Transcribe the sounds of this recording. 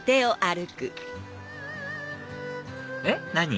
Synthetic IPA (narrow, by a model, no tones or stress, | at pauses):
t̪e̞oʔaɾɯ̟kɯ̟ | enaɲi